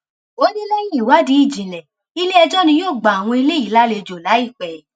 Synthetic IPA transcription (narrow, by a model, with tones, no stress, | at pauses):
o˨˦nĩ˦lɛ˦jĩ˦i˨wa˨˦di˨˦i˦˨d͡ʒĩ˨lɛ̃˨ | i˧le˦ɛ˧d͡ʒɔ˦nĩ˧˦joː˦˨ɡ͡ba˨a˨w̃ɔ̃˧i˧le˦i˦˨la˦le˧˨d͡ʒo˨la˨˦i˦˨k͡pɛ˨